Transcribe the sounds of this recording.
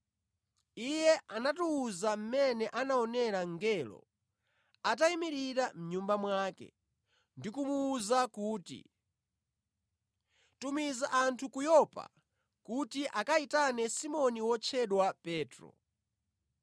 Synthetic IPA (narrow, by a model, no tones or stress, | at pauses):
ijɛʔanatuːzam̩mɛnɛʔanaɔnɛɾaŋɡɛlɔ̰ | at̬aimiɾiɾam̩ɲumbamwaːkɛ̰ | ndikumuːzakuːtḭ | tumizaʔantʰukujɔpa̰ | kutiʔakaitanɛsimɔniwɔt͡ʃʰɛɗwapɛːtɾɔ̰